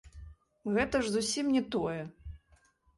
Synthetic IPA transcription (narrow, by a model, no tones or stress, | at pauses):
ɣɛt̪ɐʐzusʲimnʲɛt̪ɔjɛ